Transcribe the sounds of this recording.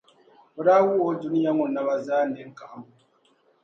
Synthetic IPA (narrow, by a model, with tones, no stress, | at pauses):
o˨˦ɾa˦wu˦o˦du˨˦ni˦ja˦ŋo˨nːa˨βa˦zaː˦nde˨˦ŋ˦ka˨˦mu˨